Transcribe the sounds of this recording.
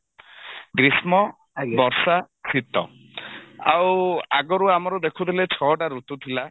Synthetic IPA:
ɡɾismɔ | bɔɾsa | sʰit̪ɔ̰ | a̰waɡɔɾuamɔɾud̪ekʰut̪ʰilet͡ʃʰɔʈaɾut̪ut̪ʰila

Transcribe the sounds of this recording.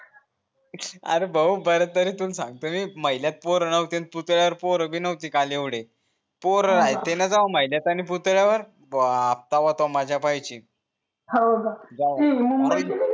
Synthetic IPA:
a̰ɾebəubəɾət̪ːəɾet̪uːnsãŋɡ̚t̪əmiːməjljat̪̚poɾənəwt̪enput̪ɭjaʋəɾpoɾəbʱiːnəwt̪iːkalieʋɽe | poɾəɾajt̪enad͡zaʋaməjljat̪anip̬ut̪ɭjaʋəɾ | aft̪aʋat̪ɔmad͡ʑʱjapajt͡ɕiː | ɦaəɡad͡zaimə

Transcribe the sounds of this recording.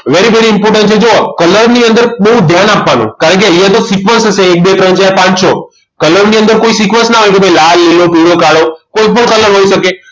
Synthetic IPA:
ʋeɾiʋeɽiɪmpoɾʈ̬ə̃nʈt͡ʃʰed͡ʒokələɾniə̃nd̪əɾɓəɦud̪ʱjanapʋanṵ̃kaɾəɳkeəjãt̪osikʋə̃nsəseːk̚bekɾəɲt͡ʃaepãɲt͡ʃʰo | kələɾniə̃nd̪əɾkoisikʋə̃nsnaɦojkebʱəjlalːelopiɽokaɽokoipəɳkələɾɦoiʃəke

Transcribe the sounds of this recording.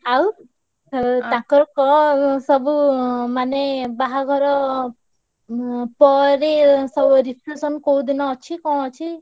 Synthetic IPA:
ɦaw | t̪ãkɔɾɔkɔsɔbumanebaɦaɡʱɔɾɔ | pɔɾesɔbuɾipʰɾusɔnkowd̪inɔːt͡ʃʰikɔ̃ɔt͡ʃʰi

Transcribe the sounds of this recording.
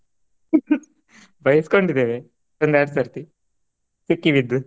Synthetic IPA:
bʱɐjsi̥koɳɖid̪eːʋe | t̪ond̪aːɾsɐɾt̪i | sikːiʋid̪ːu

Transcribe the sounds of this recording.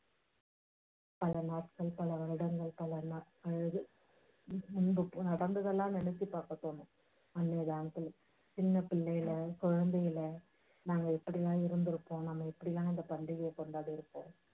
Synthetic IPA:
pɐlɐnaːʈkɐɭpɐlɐʋɐɻɯɽɐŋɡɐɭpɐlɐnɐ | ɐɻɯðɯ | ʊɳbɯnɐɽɐnd̪ɯðɐlːãːnɛnɛt͡ʃːipaːɾkɐt̪ːoːnʊ̃ | ɐnːeːðaːnɐt̪ːɯl | t͡ʃɪnːɐpɪlːɐjɪlɐkɔɻɐnd̪ɐjɪlɐ | naːŋɡɐɛpːɐɽɪlãːɪɾɯnd̪ɪɾɯpːõːnɐmːɐɛpːɐɽɪlãːɪnd̪ɐpɐɳɖɪɣɪjɐkɔɳɖaːɽɯɪɾɯpːõ̰ː

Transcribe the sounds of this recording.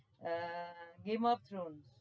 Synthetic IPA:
ɡemɔpt̪ʰɾons

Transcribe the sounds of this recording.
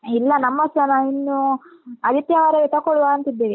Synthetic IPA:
ilːɐnɐmːɐsɐnainːuɐd̪ʱit̪jɐʋaːɾeʋit̪ɐkɔɽuʋaɐnt̪id̪ːeːʋi

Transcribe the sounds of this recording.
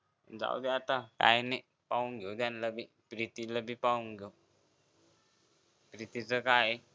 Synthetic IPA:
d͡za̰wd̪eat̪aka̰jneʔ | pauŋɡʱewd̪anləbi | pɾit̪iləbipauŋɡʱew | pɾit̪it͡səkaj

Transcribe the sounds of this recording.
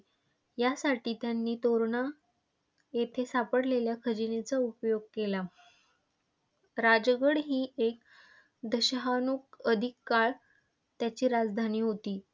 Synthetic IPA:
jasaʈiːt̪janːiːt̪oɾona | jet̪ʰesapəɽleljakʰəd͡ʑinet͡saupjoɡ̚kela | ɾad͡ʑɡəɽɦiːek̚ | d̪əɕəɦanuːkəd̪ʱikːaɭ | t̪jat͡ɕiːɾad͡zd̪ʱaniːɦot̪iː

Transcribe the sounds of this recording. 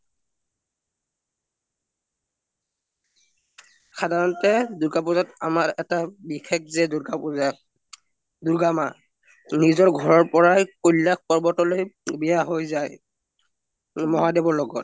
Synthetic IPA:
xʰadʱaɹɔntɛdukapuzatamaɹɛtabixʰek̚zɛɡapa | duɹɡama | nizɔɹɡʱɔɹɔɹpɔɹajkojlːak̚pɔɹbɔtɔlojbɛjaɦojzaj | mɔɦadɛbɔɹlɔɡɔt̚

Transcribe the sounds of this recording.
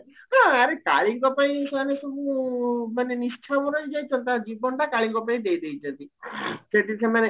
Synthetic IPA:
ɦãəɾeka̰ɭikɔpaĩsanesubumanenist͡ʃʰabɔɾɔid͡ʒajt͡ʃʰɔnt̪ãd͡ʒibɔɳʈakaɭikɔpaĩd̪ejd̪ejd͡ʒat̪iʃeʈit͡ʃʰemane

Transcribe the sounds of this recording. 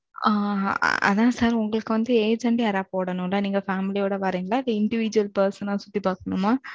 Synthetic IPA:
a̰ːɐ̰ðãːsaːɾʊŋɡɐɭɯkːɯʋɐnd̪ɯeːd͡ʒɐɳʈɐːɾaːpoːɽɐɳʊ̃laniːŋɡɐfaːmɪlijoːɽɐʋaːɾiːŋɡɐɭaːɪðɐɪɳɖɪʋid͡ʒuɐlpɐɾsɐnãːsʊ̥t̪ːipaːkɐɳʊmːaː

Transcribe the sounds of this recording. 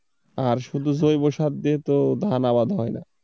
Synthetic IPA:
aɾʃud̪ʱuzojboʃat̪̚d̪iet̪od̪ʱanaβad̪ʱɦɔjna̰

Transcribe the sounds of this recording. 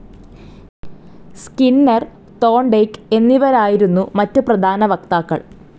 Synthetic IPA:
skinːɐr | t̪o̞ːɳɖejke̞nːiʋɐɾaːjiɾunːumɐtːɨprɐd̪ʱaːnɐʋɐk̚t̪aːkːɐ̰ɭ

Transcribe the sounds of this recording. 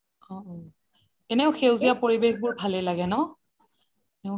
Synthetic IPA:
ɔ̃ | ɛnɛʊxewzijapoɹibexbʊɹbʱalɛlaɡɛnɔ | nɛʊ

